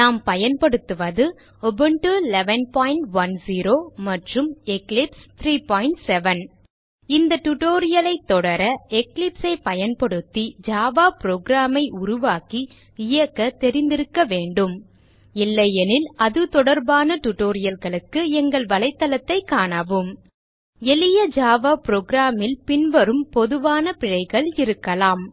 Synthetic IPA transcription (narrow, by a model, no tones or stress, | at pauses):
naːmpɐjɐnpɐɽɯt̪ːɯʋɐðɯ | ɔbɯɳʈɯlɛʋɐnpaːjɪɳʈʋɐnsiːɾoːmɐʈrɯmɛklɪpst̪ʰɾiːpaːjɪɳʈsɛʋɐn | ɪnd̪ɐʈuʈoːɾɪjɐlɐɪt̪ːɔɽɐɾɐɛklɪpsɐɪpɐjɐnpɐɽɯt̪ːid͡ʒaːʋaːpɾoːɡɾaːmɐɪʔʊɾʊʋaːki | ɪjɐkːɐt̪ɛɾɪnd̪ɪɾɯkːɐʋeːɳɖɯm | ɪlːɐjɛnɪlɐðɯt̪ɔɽɐɾbaːnɐʈʊʈoːɾɪjɐlɣɐɭɯkːɯɛŋɡɐɭʋɐlɐɪt̪ːɐlɐt̪ːɐɪkːaːɳɐʋɯm | ɛlɪjɐd͡ʒaːʋaːpɾoːɡɾaːmɪlpɪnʋɐɾɯmpɔðɯʋaːnɐpɪɻɐɪɣɐɭɪɾɯkːɐlaːm